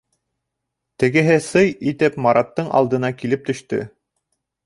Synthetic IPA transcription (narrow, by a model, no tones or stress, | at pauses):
t̪ɘ̆ɡɘ̆ɦɘsɤjit̪ɘpmɑɾɑt̪ːɤɴʔɑ̰lˠd̪ɤ̆nɑkilɘp̚t̪ɵ̆ʃt̪ɵ̰